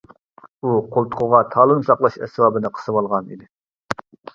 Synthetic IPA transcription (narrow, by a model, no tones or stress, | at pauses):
uqʰolˠt̪ʰʊ̥qʰʊʁɑt̪ʰɑːlˠɨnsɑqlˠɑʃɛ̰swɑbɨnɨqʰə̥sɨwɑlˠʁɑnḭd̪ɪ